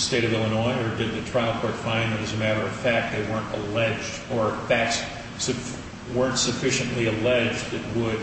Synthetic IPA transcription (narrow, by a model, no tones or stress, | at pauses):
steɪɾʌvɛlˠənɔɪə˞dɨd̪̚ðɨtʰɹ̥aɪl̩ˠkʰɔɹtfãɪ̃nðɨɾɨzɨmæɾə˞ʌv̥fæk̪̚ðeɪwɜ̃˞ntə̰lɛd͡ʒdə˞θæks | sɨ | wɜ̃˞ntsɨfɪʃɨ̃nʔliɨlɛd͡ʒdɨt̚wəd̥̚